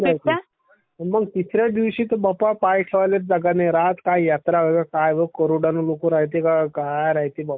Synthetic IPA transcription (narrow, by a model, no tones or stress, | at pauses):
najt̪ | əməɡt̪isɾjad̪iʋɕiːt̪əbapapajʈʰeʋalet̪d͡zəɡaneɾaɦt̪kajjat̪ɾaʋəɡakajʋəkəɾoɽanolokuɾaɦit̪̬ekakajɾaɦjt̪ibapa